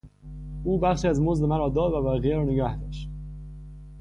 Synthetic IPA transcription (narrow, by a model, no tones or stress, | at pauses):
ʔuːbæχʃiːæzmozd̪emæɾɒːd̪ɒːd̪væbæɣijeɾɒːneɡæhd̪ɒːʃt̪